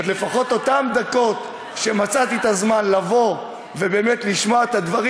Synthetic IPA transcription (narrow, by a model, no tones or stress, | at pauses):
t̪le̞faχo̞t̪o̞t̪amd̪ako̞t̪ | ʃe̞mat͡sat̪iet̪azmanlavo̞ | ve̞be̞ːmet̪liʃmoaet̪ad̪vaʁ